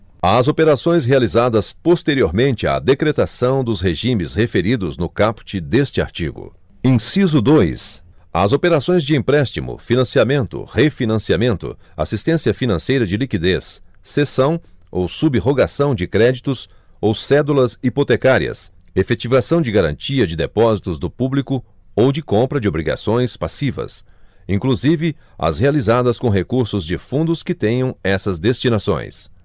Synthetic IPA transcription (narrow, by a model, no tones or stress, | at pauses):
ɐzopeɾasõj̃s̬ɦealizad̪ɐspost̪eɾioɾmẽnt͡ʃɪa̰d̪ekɾet̪asɐ̃w̃d̪ʊsheʒĩmɪshefeɾid̪ʊznʊkapt͡ʃɪd̪est͡ʃɪa̰ɾt͡ʃḭɡʊ̰ | ẽsizʊd̪ojsɐ̰zopeɾasõj̃zd͡ʒɪẽpɾɛst͡ʃimʊ̰finɐ̃siamẽnt̪ʊ̰hefinɐ̃siamẽnt̪ʊ̰a̰sist̪ẽsiɐfinɐ̃sejɾɐd͡ʒɪlikid̪esː | esɐ̃w̃owsubiɦoɡasɐ̃w̃d͡ʒɪkɾɛd͡ʒit̪ʊs | owsɛd̪ulɐzipot̪ekaɾiɐ̰s | efet͡ʃivasɐ̃w̃d͡ʒɪɡaɾɐ̰̃nt͡ʃiɐd͡ʒɪd̪epɔzit̪ʊzd̪ʊpublikʊ | owd͡ʒɪkõmpɾɐd͡ʒɪobɾiɡa̰sõj̃spasivɐ̰s | ĩkluzivɪɐ̰shealizad̪ɐskõɦekuɾsʊzd͡ʒɪfũnd̪ʊskɪt̪ẽjɐ̃w̃ɛsɐzd̪est͡ʃinasõ̰j̃s